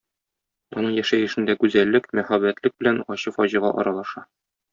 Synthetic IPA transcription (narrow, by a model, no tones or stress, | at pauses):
ɒnɤɴjæʃæjɘ̆ʃɘ̆nd̪ækʉzælːɘkmæχæbːæt̪lɘk̚bɘ̆lænɒɕɤfɒʑɤ̆ʁɑʔɒ̰ɾɑlˠɑʃɑ